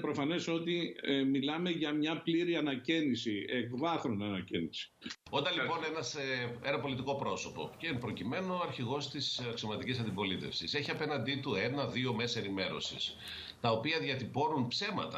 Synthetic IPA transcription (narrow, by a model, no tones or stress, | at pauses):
pɾo̞fɐne̞so̞t̪imilɐme̞ʝɐmɲɐpliɾiɐnɐcinisiekvɐθɾonɐnɐcinisi̥ond̪ɐlipo̞nenɐsee̞nɐpo̞lit̪iko̞pɾo̞so̞po̞̰ceinpɾo̞cime̞no̞ɐɾçiɣo̞st̪isɐksio̞mɐt̪icisɐnd̪ibo̞lit̪e̞fsise̞çiɐpe̞nɐnd̪it̪uenɐðio̞me̞se̞nime̞ɾo̞̰sis | t̪ɐo̞piɐðjɐt̪ipo̞ɾunpse̞mɐ̰t̪ɐ̰